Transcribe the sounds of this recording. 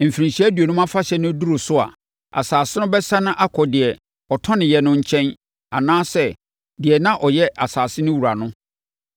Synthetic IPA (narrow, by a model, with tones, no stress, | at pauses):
m̩˨fi˨ɾĩ˨ɕi˦æ˦dɥo˨nʊ̃˦mã˦fa˦ɕɛ˨nʊ̃˦du˦ɾo˨sʊ˦a̰˨ | a̰˨saː˨sɪ˦nʊ̃˦bɛ˦sã˦nʊ̃˦ʔa˦kʰɔ˨dɪ˨ɛ˨ | ɔ˨tʰɔ̃˦nɪ̃˨jɛ˨nʊ̃˦ɲ̩˦t͡ɕʰɛ̃˦n | a˨nãː˦sɛ˦ | dɪ˨ɛ˨nã˦ʔɔ˨jɛ˦ʔa˨saː˨sɪ˦nʊ̃˦wu˨ɾa˨nʊ̃˦